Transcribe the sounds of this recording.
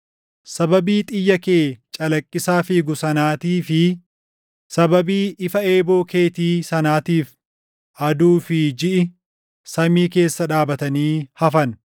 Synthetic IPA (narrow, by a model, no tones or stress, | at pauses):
sɐbɐbiːt̪ʼɪjːɐkeːt͡ʃʼɐlɐkʼːɪsaːfiːɡʊsɐnaːt̪iːfɪ | sɐbɐbiːʔɪfɐe̞ːbo̞ːkʰe̞ːt̪iːsɐnaːt̪iːf | ʔɐd̪uːfɪd͡ʒɪʔɪ | sɐmiːke̞ːsːɐᶑaːbɐt̪ɐniːhɐfɐn